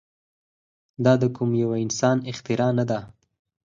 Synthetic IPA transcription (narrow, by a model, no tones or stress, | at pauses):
d̪ɑd̪əkʰʊmjawaɪnsɑnɪxt̪ɪɾɑnad̪a